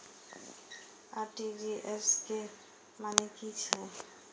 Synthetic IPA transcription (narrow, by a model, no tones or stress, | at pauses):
aɾʈibiʔɛske | manekit͡ʃʰɛ